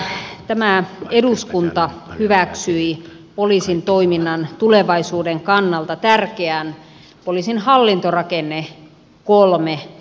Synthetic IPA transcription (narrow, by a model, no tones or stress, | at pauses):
t̪æmæeduskunt̪ɑhyʋæksyi | poliːsint̪oiminːɑnt̪uleʋɑisuːdeŋkɑnːɑlt̪ɑt̪ærkeæn | polisinhɑlːint̪orɑkenːe | kolme